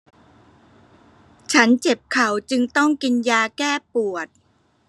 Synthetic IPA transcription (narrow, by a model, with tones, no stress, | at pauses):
t͡ɕʰa˦˥nt͡ɕe˨˩p̚kʰa˨˩˦wt͡ɕɯ˧ŋt̪ɔ˥˩ŋki˧njaː˧kɛː˥˩pu˨˩ət̪̚